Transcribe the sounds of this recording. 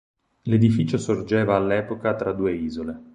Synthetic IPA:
led̪ifiːt͡ʃosord͡ʒɛːvaːlːɛːpokat̪ɾad̪ːuːeiːzole

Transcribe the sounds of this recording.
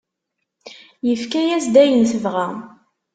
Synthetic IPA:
jəfkæjæsd̪æjənθəvʁæ

